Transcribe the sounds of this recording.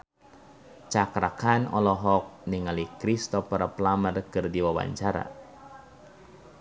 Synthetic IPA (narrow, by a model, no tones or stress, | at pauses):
t͡ʃakɾakanɔlɔɦɔk̚niŋalikɾist̪ɔpɔɾaplamərkɨrdiwawa̰ɲt͡ʃaɾa̰